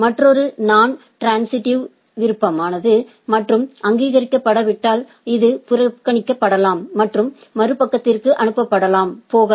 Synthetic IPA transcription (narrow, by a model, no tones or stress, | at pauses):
mɐʈrɔɾɯnaːn | ʈɾaːnsɪʈɪʋ | ʋɪɾɯpːɐmaːnɐðɯ | mɐʈrɯmɐŋɡiːɣɐɾɪkːɐpːɐɽɐʋɪʈːaːl | ɪðɯpʊɾɐkːɐɳɪkːɐpːɐɽɐlaːmːɐʈrɯmːɐɾɯpɐkːɐt̪ːɪrkɯʔɐnɯpːɐpːɐɽɐlaːmpoːɣɐ